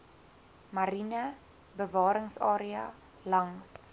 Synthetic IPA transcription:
mɐɾinə | bəvɑːɾəŋsɑ̰ːɾiɐ̰ | lɐŋs

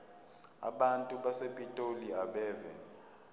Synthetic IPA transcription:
a̰ɓantʼuɓasepʼitʼoliaɓɛːvɛ̰

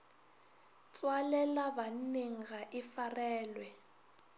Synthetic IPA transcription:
t͡sʼwalɛlaban̩neŋ̩ɣaʔɪfarɛːlwɛ

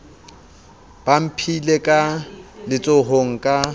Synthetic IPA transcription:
b̥am̩pʰilekʼalɪt͡sʼoɦoŋ̩kʼa

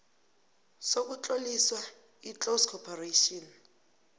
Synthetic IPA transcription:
sok̬ut͡ɬʼoliswa | it͡ɬoskʰɔpʰareʃɔn

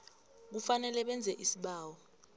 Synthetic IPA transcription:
k̬ufanɛlɛɓɛnd͡zʱɛʔisiɓaːwɔ

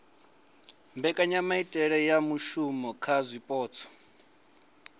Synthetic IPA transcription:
mbɛkʼaɲamaitʼɛɺɛjamuʃumɔkʰazʷipʼɔːt͡sʰɔ̥

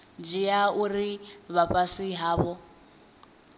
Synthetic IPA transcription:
d͡ʒijauriβapʼasiɦaːβɔ

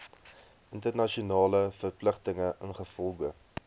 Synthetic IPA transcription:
əntərnɐʃiunɑːləfərpləχtəŋəʔənχəfɔlˠɡə

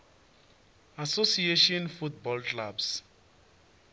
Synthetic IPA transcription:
asosieʃɔ̃nfut̚bɔlklabs

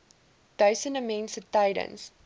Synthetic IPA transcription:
d̥əsə̃nəmɛ̃nsətaɪɾə̰̃ns

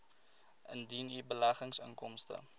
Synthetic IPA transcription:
əndinibəlæχəŋsə̰ŋkɔmstə̰

